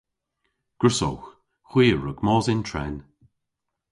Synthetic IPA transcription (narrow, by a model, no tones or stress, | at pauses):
ɡ̥əɹsɔ̰wx | xwiːəɹəɡmɔːzɪntʰɹɛ̰n